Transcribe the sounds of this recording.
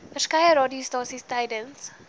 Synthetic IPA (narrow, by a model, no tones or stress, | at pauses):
fəskajəɾɔdiostɑːsistajdəns